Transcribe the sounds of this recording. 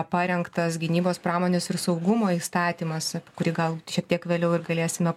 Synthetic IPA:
pɑːɾʲɛŋkt̪ɐsɡʲɪnʲiːboːspɾɑːmoːnʲɛsɪɾsɐʊɡʊmoːiːst̪ɑːt̪ʲiːmɐsʲkʊɾʲiːɡɐlˠʃʲiɛk̚t̪iɛkʋʲeːlʲɛʊɪɾɡɐlʲeːsʲɪmʲɛ

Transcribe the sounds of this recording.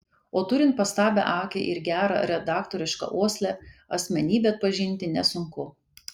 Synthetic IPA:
oːt̪ʊɾʲɪnt̪̚pɐst̪ɑːbʲɛ̰ʔɑːkʲḛʔɪɾɡʲæːɾɑ̰ɾʲɛd̪ɑːkt̪oːɾʲɪʃkɐ̰ʔoɔsʲlʲɛɐsʲmʲɛnʲiːbʲɛɐt̪̚pɐʒʲɪnʲˑt̪ʲɪnʲɛsʊŋkʊ

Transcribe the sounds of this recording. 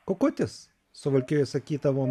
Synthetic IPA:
kokʊt̪ʲɪs | sʊʋɐlʲkʲɪjɛsɐkʲiːd̪ɐʋoːn

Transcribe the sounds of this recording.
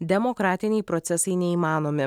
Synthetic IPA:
d̪ʲɛmokɾɑːt̪ʲɪnʲɛɪpɾɔt̪sʲɛsɐɪnʲɛiːmɑːnoːmʲɪ

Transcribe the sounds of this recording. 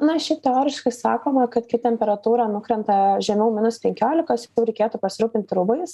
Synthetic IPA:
nɐʃʲɪt̪ʲɛoːɾʲɪʃkɐɪsɑːkoːmɐkɐt̪kʲɪt̪ʲɛmʲpʲɛɾɐt̪uːɾɑːnʊkɾʲɛnt̪ɐʒʲɛmʲɛʊmʲɪnʊspʲɛŋʲkʲoːlʲɪkɐsʊt̪ʲuːɾʲɛɪkʲeːt̪ʊpɐsʲɪɾuːpʲɪnʲt̪ʲɾʊbɐɪs

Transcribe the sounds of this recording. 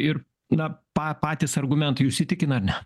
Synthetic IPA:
ɪr | nɐpɑːpɑːt̪ʲɪsɐrɡʊmʲɛnt̪ɐɪʊʃʲsʲɪt̪ʲɪkʲɪnɐɐɾnʲɛ

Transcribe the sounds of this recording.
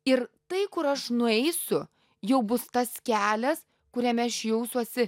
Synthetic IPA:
ɪɾt̪ɐɪkʊɾɐʃnʊɛɪsʊ | jɛʊbʊst̪ɐskʲæːlʲɛs | kʊɾʲɛmʲɛʃjɛʊsuɔsʲɪ

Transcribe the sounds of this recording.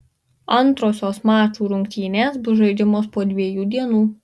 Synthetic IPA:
ɐnˑt̪ɾoːsʲoːsmɑːt͡ʃuːɾʊŋʲkt̪ʲiːnʲeːsbʊʒɐɪd͡ʒ̪ʲɪmoːspoːd̪ʲʋʲiɛjuːd̪ʲiɛnuː

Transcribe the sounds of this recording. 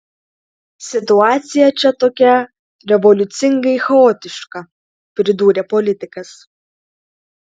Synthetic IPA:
sʲɪt̪ʊɑːt̪sʲɪjɛt͡ʃʲɛt̪oːkʲɛ | ɾʲɛʋɔlʲʊt̪sʲɪŋɡɐɪxɛoːt̪ʲɪʃkɐ | pʲɾʲɪd̪uːɾʲɛpɔlʲɪt̪ʲɪkɐs

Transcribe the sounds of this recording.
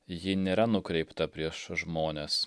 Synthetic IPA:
jɪnʲeːɾɐnʊkɾʲɛɪpt̪ɐpʲɾʲiɛʃʒmoːnʲeːs

